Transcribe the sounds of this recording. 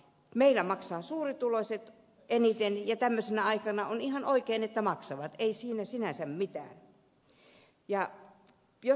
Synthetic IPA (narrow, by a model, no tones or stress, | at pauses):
meilˑæmɑksɑːsuːrit̪ulosʲet̪ | ʔenit̪enjɑt̪æmːøsenæɑikɑnɑonihɑnoikeinet̪ːæmɑksɑʋɑt̪eisiːnæsinæsæmmit̪æ̰ːn | jɑ | jo